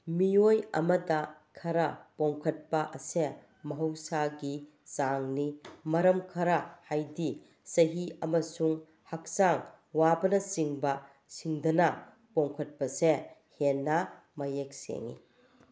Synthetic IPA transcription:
miojɐ̰mɐdɐkʰɐɾɐpoŋkʰɐt̚pɐʔɐse | mɐɦɐwsaɡi | saŋnimɐɾɐmkʰɐɾahajdi | sɐɦiɐmɐsuŋ | hak̚saŋ | wabɐnɐsiŋbɐ | siŋdɐnɐ | poŋkʰɐt̚pɐsehenːɐ | mɐjek̚sḛŋḭ

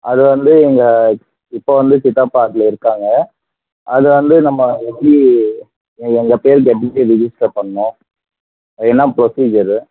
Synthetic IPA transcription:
ɐðɯʋɐnd̪ɯɛŋɡɐ | ɪpːoːʋɐnd̪ɯt͡ʃɪt̪ːaːpaːʈɪlɐɪɾɯkːaːŋɡɐ | ʔɐðɯʋɐnd̪ɯnɐmːɐʋɛpːɽi | ɛŋɡɐpeːɾɡɛʈːɪeːɾɪd͡ʒɪsʈɐpɐɳːʊ̃ | ɐpɽinːaːpɾɔsiːd͡ʒɐɾ

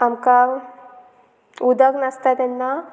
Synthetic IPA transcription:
amka | ud̪əɡnɐst̪at̪enːa

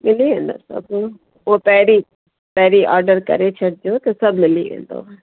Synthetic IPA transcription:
mɪliːẽːnd̪o̰sə̰b | oːpɛːɾiː | pɛːɾiːʔɔːɾɖəɾkə̰ɾeːt͡ʃʰəɽd͡ʒoːt̪esəbmɪlḭːʋḛ̃ːnd̪o̰ː

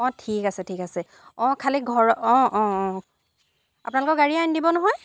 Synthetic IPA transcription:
ɔ̃tʰikasɛtʰikasɛ | ɔ̃kʰaliɡʱɔɹɔ̃ʔɔ̃ɔ̃ | apʊnalʊkɔɡaɹiajndibɔnɔɦɔj

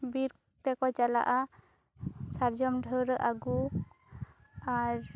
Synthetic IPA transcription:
biɾ | t̪ɛkɔt͡ʃala̰ʔa | saɾd͡ʒɔmɖʱəɾəʔaɡu | aɾ

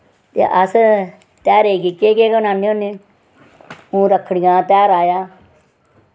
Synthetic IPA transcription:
t̪ḛːʔəs | t̪ɛːɾeːɡiːkeːkeːkənãːniõːniː | ũːɾəkʰəɽɡãːt̪ɛːɾaːjaː

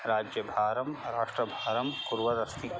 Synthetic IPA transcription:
ɾaːd͡ʒjɐbʱaːɾɐmɾaːʂʈɾɐbʱaːɾɐmkuɾʋɐdɐst̪ʰi

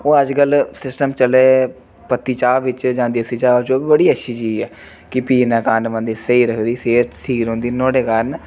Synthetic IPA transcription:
oːəd͡ʒkəlsɪsʈəmt͡ʃəleː | pət̪ːiːt͡ʃaːʋɪt͡ʃd͡ʒãːnd̪iːəsiːt͡ʃaːʋt͡ʃobəɽiːətːʃʰiːt͡ʃiːɛː | kɪpiːnãːkaːnʋə̃nd̪iːsəiːɾəkʰd̪iːseːʈsiːɾɦõːnd̪iːnoːɽeːkaːn

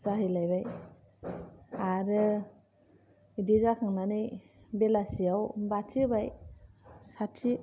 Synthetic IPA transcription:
saɦɯjlajbaj | aɾɯ | idizakʰaŋnanɯj | belasiawbatʰibaj | satʰi

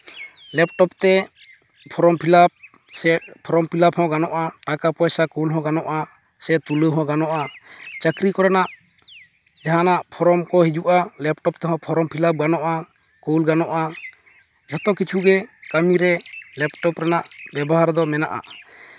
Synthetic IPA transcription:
lɛp̚ʈɔpt̪ɛ | pʰɔɾɔmpʰilap̚ | sɛpʰɔɾɔmpʰilaphɔ̃ɡanɔʔaʈakapɔjsakolɦɔ̃ɡanɔʔa | sɛt̪uləɦɔ̃ɡanɔʔat͡ʃəkɾikɔɾɛnaʔ | d͡ʒaɦanaʔpʰɔɾɔmkɔɦid͡ʒuʔalɛp̚ʈɔp̚t̪ɛɦɔ̃pʰɔɾɔmpʰilap̚ɡanɔʔa | kolɡanɔʔa | d͡ʒʱɔt̪ɔkit͡ʃʰuɡɛkamiɾɛlɛpʈɔpɾɛnaʔbɛbɔɦaɾd̪ɔmɛna̰ʔa̰ʔ

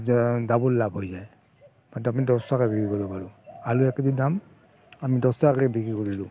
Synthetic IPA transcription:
dabulːabʱɦojzaj | matapnidɔstakɛbikɹikɔɹɔbaɹualuɛkedidam | amidɔsakɛɛbikɹikɔɹilʊ

